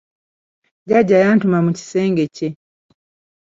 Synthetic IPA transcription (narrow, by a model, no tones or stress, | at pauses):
ɟaɟajantumamuci̥seːŋɡece